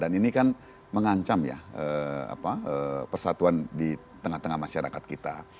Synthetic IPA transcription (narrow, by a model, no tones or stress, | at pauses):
daninikan | məŋaɲt͡ʃamja̰əa̰paəpərsat̪uandi | t̪əŋaht̪əŋahmaʃaɾa̰kat̪̚kit̪a